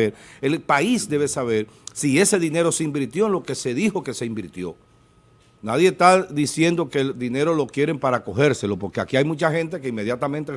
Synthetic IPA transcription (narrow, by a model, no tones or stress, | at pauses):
eɾelpaisd̪e̞βe̞saβe̞ɾ | sie̞se̞ðine̞ɾo̞seimbiɾt̪jo̞enlo̞ke̞se̞ðixo̞ke̞seimbiɾt̪jo̞̰ | naðjest̪aðisje̞nd̪o̞ke̞ld̪ine̞ɾo̞lo̞kjeɾe̞mpaɾako̞xe̞ɾse̞lo̞po̞ɾke̞akiajmut͡ʃaxe̞nt̪̬e̞ke̞ime̞ðjat̪amẽnt̪e